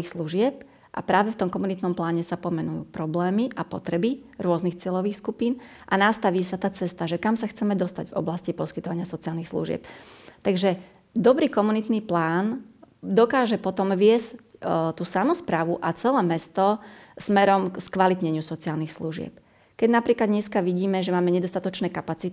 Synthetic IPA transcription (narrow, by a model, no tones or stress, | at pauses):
ixsluʒɪɛp̚ | ʔa̰pɾaːʋɛft̪ɔmkɔmunit̪nɔmplaːɲɛsapɔmɛnujṵːpɾɔblɛːmiʔapɔt̪ɾɛbi | ɾʊɔznixt͡sɪɛʎɔʋiːxskupiːnʔanast̪aʋiːsat̪aːt͡sɛst̪aʒɛkamsaxt͡sɛmɛd̪ɔst̪aɟvɔ̰blascipɔskit̪ɔʋaɲɪasɔt͡sialnixslṵʒɪɛ̰p̚t̪aɡʒɛ | d̪ɔbɾiːkɔmunit̪niːplaːnd̪ɔkaːʒɛpɔt̪ɔmʋɪɛsct̪uːsamɔspɾaːʋuʔat͡sɛlɛːmɛst̪ɔsmɛɾɔmkskʋalit̪ɲɛɲɪusɔt͡siaːlnixsluʒɪɛ̰p | kɛɟnapɾiːklad̪ɲɛskaʋiɟiːmɛʒɛmaːmɛɲɛd̪ɔst̪at̪ɔt͡ʃnɛːkapat͡sit̪i